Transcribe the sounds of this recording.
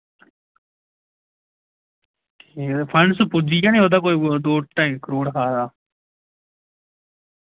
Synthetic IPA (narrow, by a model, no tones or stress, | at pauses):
epʰəɳspʊd͡ʒijãːnĩɦoːd̪aːkoːid̪oːʈːãkəɾoːɽkʰaːd̪aː